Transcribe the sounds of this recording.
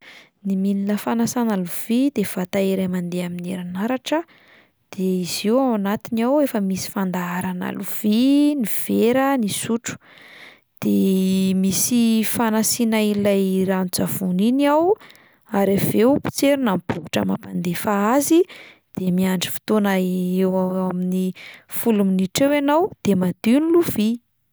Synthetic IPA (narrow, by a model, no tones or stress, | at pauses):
nimilinəfanasanaluv̥id̪̥ev̥at̪aeɾajmand̪eamineɾanaɾaʈ͡ʂə | d̪̥eiziwawnat̪inawefəmisi̥fand̪aaɾana̰luv̥iniv̥eɾənisuʈ͡ʂu̥ | d̪̥emisifanasinailajranud͡zav̥uniniaw | aɾevewpi̥t͡seɾunampukuʈ͡ʂə̰mapand̪efaazi | d̪̥emiaɳɖ͡ʐi̥fi̥t̪onaewaaminifuluminiʈ͡ʂewanawd̪̥emad̪iniluvi